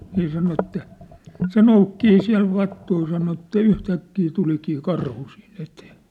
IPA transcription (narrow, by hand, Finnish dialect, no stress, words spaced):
ni sɑno etːæ se noukːiː siæ̝l ʋɑtːui sɑno etːæ yhtækːiː tulikiː kɑrhu siːn eteː